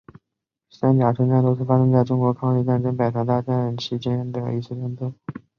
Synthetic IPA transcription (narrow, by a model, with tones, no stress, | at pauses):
sa˥nt͡ɕja˨˩ʈ͡ʂʰɤ˧˥ŋʈ͡ʂa˥˧nt̪o˥ʊʂ̬̩ʰ˥˩fa˥ʂɤ˥ŋt͡sa˥˩ɪʈ͡ʂʊ˥ŋkwɔ˧˥kʰɑ˥ŋi˥˧ʈ͡ʂa˥˩nʈ͡ʂɤ˥ŋpa˨˩ɪt̪ʰa˧˥t̪̬a˥˧ʈ͡ʂa˥˧nt͡ɕʰi˧˥t͡ɕɛ˥nd̪ə̰˧˩i˧˥s̩˥˧ʈ͡ʂɛ˥˩nt̪o˥˩